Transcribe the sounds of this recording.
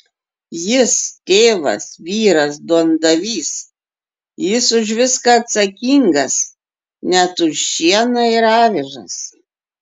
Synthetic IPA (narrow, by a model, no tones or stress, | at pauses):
jɪst̪ʲeːʋɐ̰sʋʲiːɾɐsd̪oːnd̪ɐʋʲiːs | jɪsʊʒʋʲɪskɑɐt̪sɐkʲiŋɡɐs | nʲɛt̪ʊʃʃʲiɛnɐɪɾɑːʋʲɪʒɐ̰s